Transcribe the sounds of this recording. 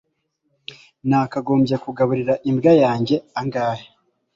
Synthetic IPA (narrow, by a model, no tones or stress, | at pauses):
nakaɡo̞ːmbjekuɡaβuɾiɾaʔimbɡajaːɲɟe̞aŋɡaːhe